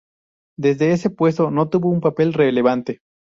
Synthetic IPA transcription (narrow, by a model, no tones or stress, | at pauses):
d̪e̞zðe̞ese̞pwe̞st̪o̞no̞t̪uβo̞umpape̞lre̞le̞β̞ant̪e̞